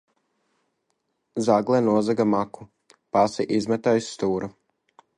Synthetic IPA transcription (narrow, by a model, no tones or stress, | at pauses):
zaɡlˠɛːnuɔzaɡamaku̥ | pasiʔizmɛt̪ajst̪uːɾu